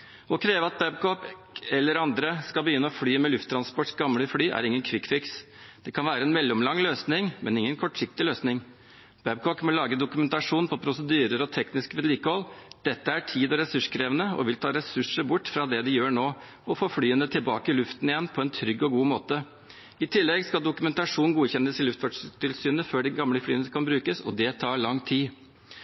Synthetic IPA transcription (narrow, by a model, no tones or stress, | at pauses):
ɔkʰɾeːʋəɑt̪̚bæbkɔp | ɛlːəɾɑnd̪ɾəskɑbəjʏnːəɔfɽyːmɛlʉft̪ʰːɾɑnspɔʈsɡɑmɽəfɽyːʔæ̰ɾɪŋːənkʰʋɪkfɪks | d̪̥ɛkʰɑnʋæːɾəɛnmɛlːʊmlɑŋːløːsnɪŋmʔɛnɪŋːənkʰɔʈʂɪk̚t̪ɪløːsnɪŋ | b̥ɛb̚kɔkmɔlɑːɡəd̪ʊkʉmɛnt̪ɑʂuːnpʰɔpʰɾʊsəd̪yːɾəɾɔt̪ʰɛknɪskʋɪd̪liːkəhɔlːd̪̥ɛt̪ːəæʈʰiːd̪ɔɾɛsʉʂkʰɾeːʋənəɔ̰ʋɪlt̪ʰɑːɾɛsʉʂəɾbʊʈːfɾɑd̪ɛd̪ɪjøːɳoː | ɔfoːflyːənət̪ʰɪlbɑːkəɪlʉft̪nɪjɛnːpʰɔɛnt̪ʰɾʏɡːɔɡuːmoːt̪ə | ɪt̪ʰɪlːɛɡskɑld̪ʊkʉmɛnt̪ɑʂuːnɡuːçɛnːəsɪlʉft̪fʋɑʂt̪ʰɪlsyːnəføːɖɛɡɑmləflyːənəkʰɑnbɾʉːkəsɔ̰d̪ɛt̪ʰɑːɭɑŋt̪ʰiː